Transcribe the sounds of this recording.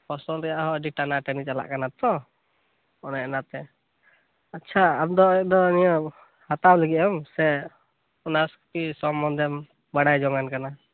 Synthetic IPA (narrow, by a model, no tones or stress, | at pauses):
pɔsɔlɾɛjaʔɦɔɖiʈanaʈɛnit͡ʃala̰ʔkanat̪ɔ | ɔnɛɛnat̪ɛ | atːt͡ʃʰaamd̪ɔɛʔ̚d̪ɔnijɔ | hat̪awlɛɡiɔmsɛ | ɔnasku̥pisɔmːɔnd̪ɛm | baɽajd͡ʒɔŋɡankana